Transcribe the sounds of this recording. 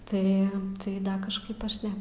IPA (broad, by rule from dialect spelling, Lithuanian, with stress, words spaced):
ˈtɐɪ tɐɪ ˈdɐ kɐʃˈkɐɪp ˈɐʃ ˈnʲɛ